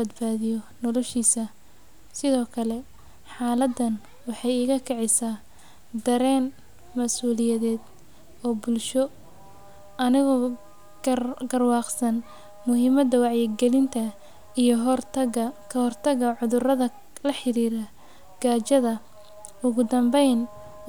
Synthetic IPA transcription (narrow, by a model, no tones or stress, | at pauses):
bɐd̪baːðɪjɔnɔlɔʃiːsɐ | sɪðɔːkʰɐlɛ | ħɑːlɐd̪ɐn | wɑħɑjɪɣɐkʰɛʕɛjsaː | d̪ɐɾɛːn | mɐsuːlɪjɐðɛːd̪ | ɔːbʊlʃɔ | ɐnɪɣɔː | ɡɐrwɑːqsɐn | mʊɦɪmɐd̪ɐwɑʕjɪɡɛlɪnt̪ʰɐ | ijɞrɐɐkʰɐhɔrt̪ʰɐɣɐʕʊðʊrɐðɐ | lɐħɪɾiːɾɐ | ɡ̥aːt͡ʃɐðɐ | ʊɣʊd̪ɐmbɛjn